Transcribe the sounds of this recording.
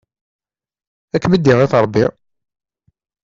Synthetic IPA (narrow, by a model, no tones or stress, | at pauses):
ækːməd̪ːiʁeθɾˤəbːi